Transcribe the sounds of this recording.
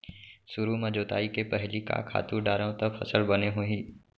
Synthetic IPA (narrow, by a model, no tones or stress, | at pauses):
sʊɾumɐd͡ʒoːt̪a̰ːikepɛɦlika̰kʰa̰ːt̪uɖaːɾãt̪əpʰɐ̰səlbɐneɦoiː